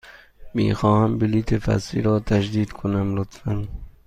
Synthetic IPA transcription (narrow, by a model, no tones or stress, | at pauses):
mḭːxɒːhæmbiliːt̪ʰefæ̰sḭɾɒːt̪ʰæd͡ʒd̪iːd̪kʰonæmlot̪fæn